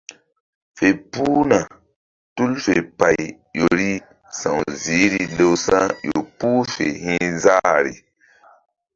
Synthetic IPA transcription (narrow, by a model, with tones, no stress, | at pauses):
fe˨pu˦na˨ | tu˦lfe˨pa˨j | jo˨ɾi˦ | sã˨wzi˨˦ɾi˨le˨wsã˦jo˨puː˦fḛ˨hĩ˦za˦ɾḭ˨